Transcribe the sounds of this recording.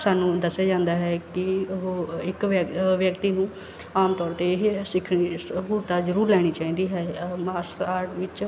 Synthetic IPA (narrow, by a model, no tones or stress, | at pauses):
saːnũːd̪əsːjaːd͡ʒãːnd̪aːɦɛːkɪɦoːɪkʋjəkt̪iːnũː | aːmt̪ɔːɾt̪esɪkʰisɦuːlt̪aːzəɾuːɾlɛːɽ̃iːt͡ʃaːĩːnd̪iːɦɛːmaːɾsaːɾʈʋɪt͡ʃ